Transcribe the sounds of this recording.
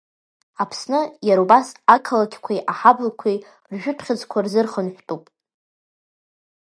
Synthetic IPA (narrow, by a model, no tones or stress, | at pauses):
apʰsnɨjaɾubasakʰalakʲʰkʷʰajʔaħablkʷʰij | rʒᶣʊtʰχʲɪd͡zkʷʰarzɨrχənħʷtʼupʼ